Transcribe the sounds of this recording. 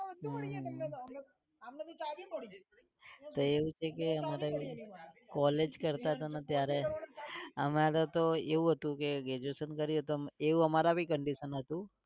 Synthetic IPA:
ɦ | t̪oeʋũt͡ʃʰekeəmaɾebʱikɔled͡ʒkəɾt̪aət̪anət̪jaɾe | əmaɾet̪oeʋũɦət̪ũkeɡed͡ʒosənkəɾiɦət̪oeʋũəmaɾabʱikəɳɖiʃənɦət̪ũ

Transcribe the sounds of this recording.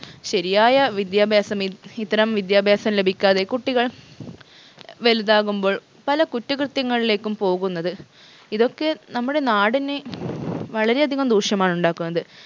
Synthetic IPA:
ɕɐɾijaːjɐʋid̪jaːbʱjaːsɐmiit̪ːɐɾɐmʋid̪jaːbʱjaːsɐmle̞bʱikʲːaːðe̞kuʈːiɣɐɭ | ʋe̞luðaːɣumbo̞ːɭ | pɐlɐkutːɐkrɨt̪jɐŋːɐɭile̞ːkːumpo̞ːɣunːɐðɨ | iðo̞kːe̞nɐmːuɽe̞naːɽine | ʋɐɭɐɾe̞ɐd̪ʱiɣɐmd̪uːʂjɐmaːɳuɳɖaːkːunːɐðɨ

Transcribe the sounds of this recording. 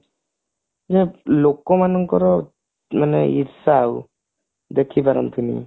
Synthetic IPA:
zelɔkːɔmanɔŋkʰɔɾɔ | manḛiɾsaw | d̪ekʰːibaɾamt̪ʰɯnḭ

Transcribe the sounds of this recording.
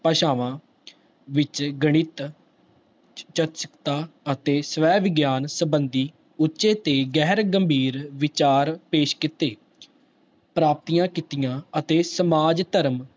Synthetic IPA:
pəʃaːʋãː | ʋɪt͡ʃɡəɽ̃ɪt̪ | t͡ʃət̪sə̥kt̪aːət̪eːsʋɛːʋɪɡjaːnsəbənd̪iː | ʊtːʃeːt̪eːɡɛːɾɡəmbʱiːɾʋɪt͡ʃaːɾpeːʃkɪt̪eː | pɾaːp̚t̪ijãːkɪt̪ɪjãːət̪eːsəmaːd͡ʒt̪əɾm

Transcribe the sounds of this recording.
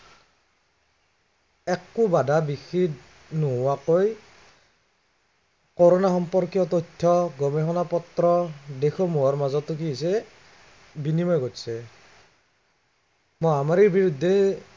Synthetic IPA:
ɛkːubadʱabixid | nuɦʊwakoj | kɔɹɔnaxɔmpɔɹkjɔtɔjtʰːɔɡɔmɛxɔnapɔtɾɔdexɔmuɔɹmazɔtːukiɦisɛ | binimɔjɡotsɛ | mojamaɹiɹbiɹudʱːɛ

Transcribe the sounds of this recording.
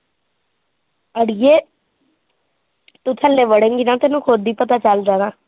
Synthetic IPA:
əɽijeː | t̪ut̪ʰəlːeːʋəɽẽːŋɡinãːt̪eːnũːkʰod̪ːiːpət̪aːt͡ʃəld͡ʒaːnaː

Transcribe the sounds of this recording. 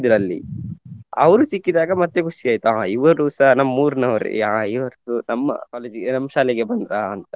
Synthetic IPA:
d̪ɾɐlːḭ | ɐ̰ʋɐɾut͡ʃikːid̪aːɡɐmɐt̪ːekʰuʂiaːjt̪uaːiʋɐusɐnɐmːɐmuːɾnɐʋɐɾḭaːiʋɐɾt̪unɐmːɐ̰kaːleːd͡ʒiɡenɐmːɐʃaːlɛɡebɐnd̪ɾaɐnt̪ɐ

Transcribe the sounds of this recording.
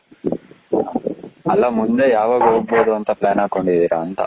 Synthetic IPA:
ɐlaːmund̪eːjaːʋɐɡoːboːd̪oɐnt̪ɐplaːnaːkoɳɖid̪iɾaːnt̪a̰

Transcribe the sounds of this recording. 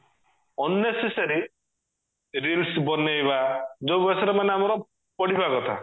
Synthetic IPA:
ɔnːesesaɾi | ɾilsbɔnːejbad͡ʒowbɔsɔɾɔmaneamɔɾɔ | pɔɽibakɔt̪ʰa̰

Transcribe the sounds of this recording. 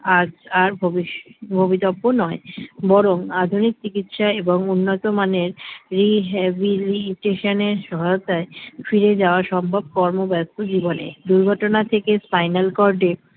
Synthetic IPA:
ad͡ʑaɾbʱobibʱobit̪ɔbːonɔebɔɾoŋad̪ʱunik̚t͡ɕikit̪ʃaeboŋunːot̪omaneɾɾiɦɛbiliʈeʃoneɾʃɔɦajot̪aefiɾed͡ʑaoaɾʃɔmbʱab̚kɔɾmobɛst̪od͡ʑibonḛd̪uɾɡʱɔʈonat̪ʰekespajnalkɔɾɖe

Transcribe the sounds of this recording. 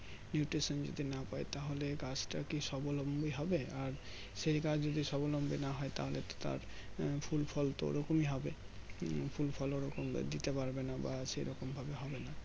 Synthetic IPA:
njuʈɾiʃɔnd͡ʑo̰d̪ʱinapaet̪aɦoleɡasʈa̰kiʃɔbolombiɦɔbeaɾ | ʃejɡad͡ʑʰd͡ʑod̪iʃɔbolombinaɦɔet̪a̰ɦolet̪o̥t̪a̰ɾpʰulpʰɔlt̪o̰ɾɔkomiɦɔbe | fʰulfʰɔloɾɔkomd̪it̪epaɾbenabaʃejɾɔkombʱabeɦɔbena

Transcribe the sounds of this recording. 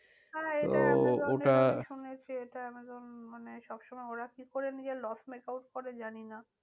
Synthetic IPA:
ɦɛteo̰oʈaʃunet͡ɕʰieʈaamed̪onmaneʃɔbʃɔmɔeoɾakikoɾenid͡ʑelɔsmekawʈ̚koɾed͡ʑanina

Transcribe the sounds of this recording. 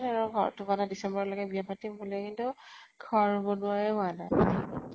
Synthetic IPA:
naɹuɡʱɔtubanadisɛmbɔɹɔlɔɡɛbiapatimbulekintʊ | ɡʰʱɔɹbɔnʊajɛana

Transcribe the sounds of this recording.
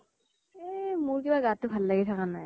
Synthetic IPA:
emʊɹkibaɡatːʊbʱalːaɡɛtʰakanaj

